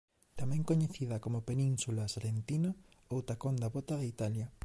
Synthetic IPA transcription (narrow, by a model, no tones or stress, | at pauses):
t̪amɛ̃ŋkoɲeθiðɐkomopenĩnsulasɾent̪inɐ | owt̪akond̪aβot̪ɐðɐit̪aljɐ